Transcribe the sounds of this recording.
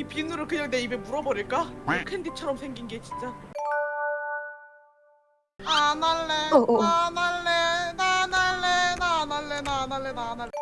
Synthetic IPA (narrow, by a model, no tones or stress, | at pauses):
ipiɯŋnɯɾɯɭkɯɲʌne̞ibe̞muɾʌbʌɾiɭk͈aekʰendit͡ɕʰʌɾʌmsʰe̞ŋɡinɡe̞t͡ɕint͡ɕ͈a | anaɭːeanaɭːenanaɭːenanaɭːenanaɭːeana